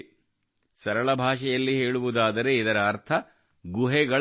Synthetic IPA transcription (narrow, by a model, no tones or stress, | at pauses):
sɐɾɐɭɐbʱaːʂɐjɐlːiɦe̞ːɭuʋud̪aːd̪ɐɾe̞id̪ɐɾɐːɾt̪ʰɐ | ɡuɦɛɡɐɭ